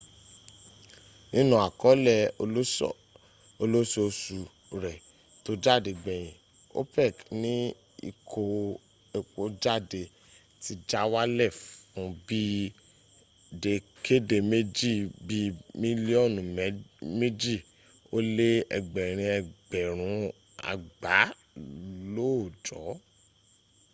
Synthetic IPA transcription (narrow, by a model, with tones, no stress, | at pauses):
ĩ˧nũ˨a˨kɔ˨˦lɛ˦˨o˧lo˦sɔ̰˦˨ | o˧lo˦so˧su˨ | ɾɛ˨ | to˨˦d͡ʒa˦˨de˨ɡ͡bɛ̃˨j̃ĩ˨ | o̰˦pɛ˦˨knĩ˨˦ | ḭ˧˨kʰo˧ | e˨k͡po˧d͡ʒa˦˨de˧ | ti˧d͡ʒa˦wa˦lɛ˦˨fbi˦ | de˧kʰe˦de˧me˦d͡ʒi˦˨bi˦mĩ˦li˦ɔ˦˨n˨˦me˦d͡ʒi˦˨ | o˦le˦ɛ̰˧˨ɡ͡bɛ˨ɾ̃ĩ˧ɛ˧ɡ͡bɛ˨ɾ̃ũ˨˧˦ | a̰˨ɡ͡ba˨˦ | lo˦˨d͡ʒɔ˨˦